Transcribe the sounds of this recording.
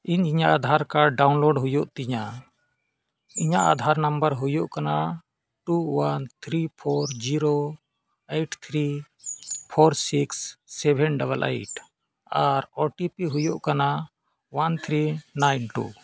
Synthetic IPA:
iɲiɲaʔad̪ʱaɾkaɖawnlɔɖɦujɔʔt̪iɲa | iɲaʔa̰d̪ʱaɾnambəɾɦujɔʔkana | ʈuwant̪ʰɾipʰɔɾd͡ʒiɾo | ejʈt̪ʰɾi | pʰɔɾsiksːɛbʱɛnɖabəlʔḛjʈ | aɾɔʈipiɦujɔʔkana | want̪ʰɾinajnʈṵ

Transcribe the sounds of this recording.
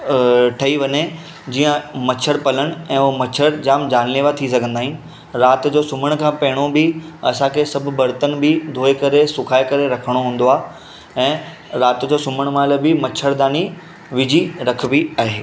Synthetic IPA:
ʈʰɐiʋɐne | d͡ʑiːə̃mɐt͡ɕʰəɾpɐləɽ̃̆ɛ̃ːoɦmɐt͡ɕʰəɾd͡ʑaːmd͡ʑaːnleːʋat̪ʰisɐɡʱə̃nd̪aːɦĩn | ɾaːt̪d͡ʑoːsʊməɽ̃kʰãːpɐɦɪɽ̃obɪɐsãkʰesɐbʱʊ̆bɐɾt̪ənbɪd̪ʱoːekɐɾesʊkʰaːekɐɾeɾɐkʰəɽ̃oɦũːnd̪oaː | ɛ̃ː | ɾaːt̪d͡ʑoːsʊməɽ̃mãːləbɪmɐt͡ɕʰəɾd̪aːni | ʋɪd͡ʑʱiɾɐkʰbiaːɦeː

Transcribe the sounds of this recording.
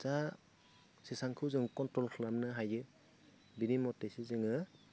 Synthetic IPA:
za | sisaŋkʰɯwzɯŋkɔntɾɔlkʰɯlamnɯɦajɯ | binimɔtːesizɯŋɯ

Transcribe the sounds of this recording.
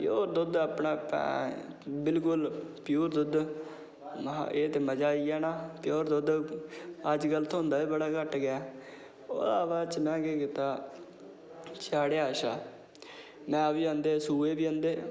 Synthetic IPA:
pjoːɾd̪ʊd̪aːpɳaːpɛ̰̃ː | bɪlkʊlpjuːɾd̪ʊd̪ | eːt̪eːməd͡ʒaːiɛːnaːpjoːɾd̪ʊd̪ | əd͡ʒɡəlt̪ʰoːɦʊ̃nd̪aːʋiːbəɽaːkəʈɡɪjaː | o̰ːdaːʋaːt͡ʃmɛ̃ːkeːkɪt̪aː | t͡ʃaːɽeːaːʃaː | mɛ̃ːəʋiːãːnd̪eːsuːeːbiːə̃ːnd̪eː

